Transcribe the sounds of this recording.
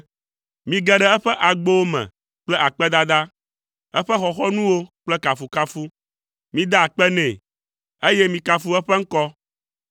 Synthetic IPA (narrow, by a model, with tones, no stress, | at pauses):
mĩ˨ɡɛ˦ɖɛ˦ɛ˦ɸɛ˦ʔa˨ɡ͡bo˦wo˦mɛ̰̃˨ | k͡plɛ˦ʔa˨k͡pɛ˦d̪a˦d̪a˦ | ɛ˦ɸɛ˦xɔ˨xɔ˦nũ˦wo˦k͡plɛ˦ka˨fu˨ka˦fu˦ | mĩ˦d̪a˦a˨k͡pɛ˦nɛ̃˨ | e˦jɛ˦mĩ˨ka˨fu˦ɛ˦ɸɛ˦ŋ̩˦kɔ˦